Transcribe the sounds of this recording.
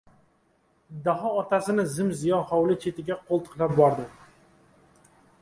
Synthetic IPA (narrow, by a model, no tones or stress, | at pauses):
d̪aɦɒːt̪ʰasɪnɪzɪmzɪjɒnχɒwlɪt͡ʃʰe̞t̪ʰɪɡʲaqʰolˠt̪ʰɨ̥qlap̚bɒɾd̪ɪ